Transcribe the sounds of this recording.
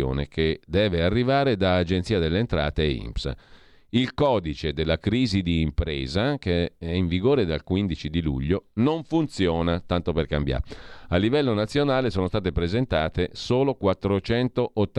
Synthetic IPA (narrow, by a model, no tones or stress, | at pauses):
o̰ːnḛkʰed̪ɛːvearːivaːɾed̪aːd͡ʒent̪siːad̪elːeːnt̪ɾa̰ːt̪eḭmps | ilkɔːd̪it͡ʃed̪elːakɾiːzid̪iːmpɾɛ̰ːzakeɛiɱviɡoːɾed̪a̰lkwind̪it͡ʃid̪ilṵʎːonoɱfunt̪sjɔːnat̪ant̪operkambja̰alːivɛlːonat̪sːjonaːlesoːnost̪aːt̪̬epɾezent̪aːt̪esoːlokwat̪ːɾot͡ʃɛnt̪oʔːt̪ː